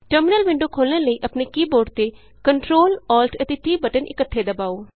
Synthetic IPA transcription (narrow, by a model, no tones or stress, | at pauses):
ʈəɾmɪnəlʋɪ̃ɳɖoːkʰoːlnəːləiːʔəpneːkiːboːɖt̪eː | kəɳʈɾoːlɔːlʈʰət̪eːt̪iːbəʈənʔɪ̰kət̪ʰːeːd̪əbaːoː